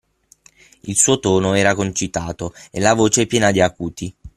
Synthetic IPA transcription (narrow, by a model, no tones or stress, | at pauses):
ilsuːot̪oːnoɛːɾakont͡ʃit̪aːt̪oelːavoːt͡ʃepjɛːnad̪iakuːt̪i